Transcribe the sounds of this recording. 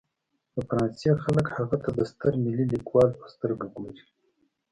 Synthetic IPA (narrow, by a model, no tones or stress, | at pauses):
pəfaɾɑnsexaləkhaɣat̪ʰad̪əst̪əɾmililikwɑlpə̥st̪əɾɡaɡoɾi